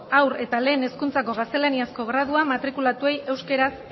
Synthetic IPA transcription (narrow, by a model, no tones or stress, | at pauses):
awɾe̞t̪ale̞ːne̞skunt͡sako̞ɣast̪e̞laniasko̞ɣɾað̞uamat̪ɾikulat̪ue̞je̞wske̞ɾas